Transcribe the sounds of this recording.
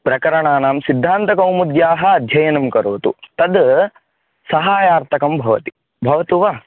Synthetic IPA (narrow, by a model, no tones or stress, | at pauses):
pɾɐkɐɾɐɳaːnaːmsid̪ʱːaːnt̪ɐkɐwmud̪jaːɦɐ̆ɐd̪ʱjɐjɐnɐmkɐɾoːt̪ṵt̪ɐd̪ | sɐɦaːjaːɾt̪ʰɐkɐmbʱɐʋɐ̰t̪i̥ | bʱɐʋɐt̪uʋaː